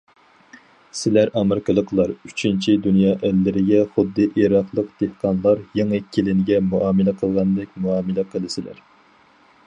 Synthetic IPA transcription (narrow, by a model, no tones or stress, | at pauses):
sɪlæɾʔɑmɪɾɪkʲʰɑlˠəqʰlˠɑɾyt͡ʃʰint͡ʃʰid̪unjɑːʔælːɪɾɪɡʲɛχʊd̪ːɨʔiɾɑχlˠəq̚d̪̥ehqɑnlˠɑɾjeŋɨkʲʰːilɪnɪɡʲɛmuʔɑːmɨlɛqʰəlˠʁɑnd̪ɨk̚ʲmuɑːmɨlɛqʰəlˠɨsɪlæ̰ɾ